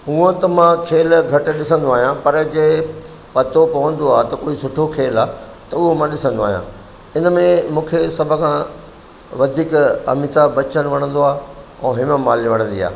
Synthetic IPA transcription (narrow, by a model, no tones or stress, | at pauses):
ɦuə̃t̪ɐmãkʰeːlɡʱɐʈ̆ɗɪsə̃nd̪oaːɦijãpɐɾd͡ʑeː | pɐt̪opɐʋə̃n̆d̪oaːt̪ɐkoːisʊʈʰokʰeːlaː | t̪ɐʊɦomãɗɪsə̃nd̪oaːɦjã̰ | ɪnəmẽmũːkʰesɐbʱʊ̆kʰã | ʋɐd̪ʱiːkɐ̰mit̪abɐt͡ɕəñʋɐɽ̃ə̃n̆d̪oaːɦ | ɛ̃ːɦɪməmaːliʋɐɽ̃ə̃nd̪ḭa̰ː